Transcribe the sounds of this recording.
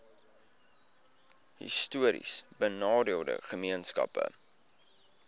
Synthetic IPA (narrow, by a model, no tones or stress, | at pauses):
hḭstuəɾḭsbənɑːdiəlˠdə̰χəmiənskɐ̰pə̰